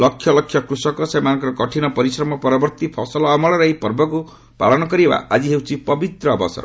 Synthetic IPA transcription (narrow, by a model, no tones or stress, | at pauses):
lʌkʰjʌlɔkʰːjʌkɾusɔkɔsemankɾɔkɔʈʰinɔpɔɾisɾɔmɔpɔɾɔbɔɾt̪ipʰɔsɔlɔːmɔɭɔɾʌipɔɾbɔku | pa̰ɭɔnɔkɔɾieba̰ad͡ziɦewt͡sʰipʌbit̪ɾɔːbɔ̰sɔ̰ɾ